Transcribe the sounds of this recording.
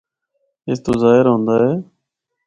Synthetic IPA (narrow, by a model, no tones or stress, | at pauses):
ɪst̪oːzaːɦɪɾɦõːnd̪aːɦeː